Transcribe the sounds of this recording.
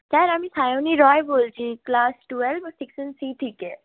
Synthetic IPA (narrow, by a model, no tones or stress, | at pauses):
t̪aeɾamisajoniɾɔjbolt͡ʃʰiklasʈuelbsiksənsiʈʰike